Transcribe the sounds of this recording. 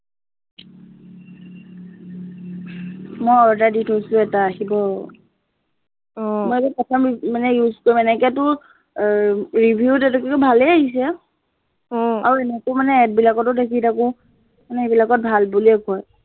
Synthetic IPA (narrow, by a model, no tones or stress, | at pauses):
mɔjɔɹtaditojsʊ̃ɛtaːɦibɔ | mɔjɛkɛpɔtʰɔmmanɛjuzkoimɛnɛkɛtʊɹ | ɹibʱjutɛtɛkɛkɔbʱalɛaɦis̬ɛ | aɹuɛnɛkomanɛːt̚bilakɔtʊtek̬itakʊ | manɛebilakɔt̚bʱalbuliɛkɔj